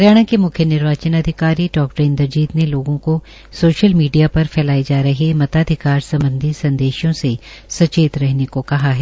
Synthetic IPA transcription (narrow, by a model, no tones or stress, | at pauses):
ɾjaːɽ̃ãkemʊkʰjənɪɾʋaːt͡ʃənɐd̪ʱɪkaːɾiʈɔːk̚ʈɾeːnd̪ɐɾd͡ʒiːt̪neloːɡõko | soːʃəlmiːɖijapɐɾfɛːlaːed͡ʒaːɾɐɦemɐt̪aːd̪ʱɪkaːɾsɐ̃mbə̃nd̪ʱisɐ̃nd̪eːʃjõsesɐt͡ʃeːt̪ɾɛɦnekokɐɦaɦɛː